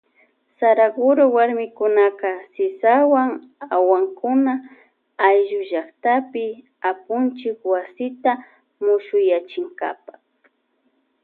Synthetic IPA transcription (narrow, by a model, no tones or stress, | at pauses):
saɾaɡʊɾowaɾmɪkʊnakasɪsawaŋawaŋkʊna | ajʒʊʒakt̪apɪ | apʊnt͡ʃɪkwasɪt̪a | mʊʃʊjat͡ʃɪŋɡa̰pḁ